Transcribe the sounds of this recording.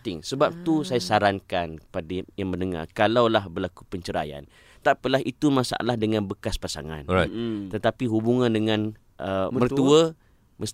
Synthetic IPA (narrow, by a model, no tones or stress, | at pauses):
t̪ɪŋsəbap̚t̪usajasaɾaŋkanpadajaŋmə̃ndəŋa̰rkalawlahbərlakupəɲt͡ʃəɾa̰ja̰n | t̪aʔpəlaɦit̪umãsa̰ʔa̰lahdəŋãnbəkaspasa̰ŋã̰nt̪ət̪apiɦubuŋãndəŋãn | ʔəmmərt̪uə | məs